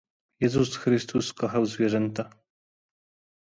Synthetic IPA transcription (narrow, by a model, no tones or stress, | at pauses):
jɛzusxɾɘst̪ʰuskɔxawzvʲjɛʐɛnt̪a